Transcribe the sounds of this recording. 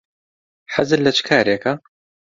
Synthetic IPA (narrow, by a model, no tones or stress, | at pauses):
ħazɨllɐt͡ʃʰkʰaːɾeːkɐ